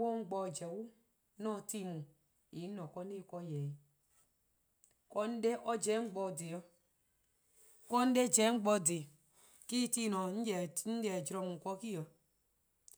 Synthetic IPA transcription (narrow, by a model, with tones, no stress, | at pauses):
wo˦ŋ͡m̩˦ɡ͡bɔ˧˨d͡ʒɛ˨wu˦ | nɔ˦˨ti˦˨mu˨ | i˨˦nɔ˨kɔ˦ne˦˨kɔ˦jɛ˨ | kɔ˦n̩˦de˦ʔɔ˦d͡ʒɛ˨˦ŋ͡m̩˦ɡ͡bɔ˧˨de˨jɔ˦ | kɔ˦n̩˦de˦d͡ʒɛ˨˦ŋ͡m̩˦ɡ͡bɔ˧de˨ | ki˦ti˦˨nɔ˨n̩˦˨n̩˦dɛ˨d͡ʒɾɔ˧mu˨kɔ˦ki˦jɔ˨